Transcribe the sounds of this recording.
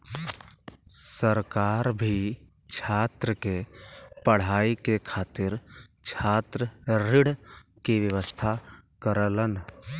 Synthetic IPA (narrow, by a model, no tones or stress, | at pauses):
səɾkaːɾbʱi | t͡ʃʰaːt̪ɾəkepəɽ̤aːikekʰaːt̪ɪɾt͡ʃʰaːt̪ɾəɾɪɽ̤kiʋjəʋəst̪ʰakəɾələn